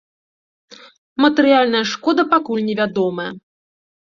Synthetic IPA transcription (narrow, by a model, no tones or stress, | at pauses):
mɐt̪ɛɾɨjalʲnɐjɐʂkɔd̪ɐpakulʲnʲɛvʲad̪ɔmɐjɐ̰